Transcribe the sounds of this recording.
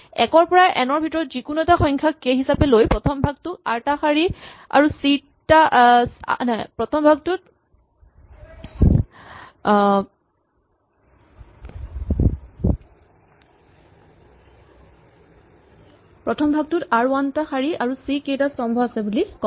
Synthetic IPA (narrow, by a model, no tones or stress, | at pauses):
ɛkɔɹpɔɹaʔɛnɔɹbʱitɔɹɔtzikunuɛtaxɔjŋkʰakeɦisapɛlojpɹɔtʰɔmbʱaɡ̚tʊa̰ɹtaxaɹia̰ɹusi | ta̰ | napɹɔtʰɔmbʱaɡ̚tʊt | pɹɔtʰɔmbʱaɡ̚tʊtaɹuantaxaɹiaɹusikejtasɔmbʱɔasɛbulikɔ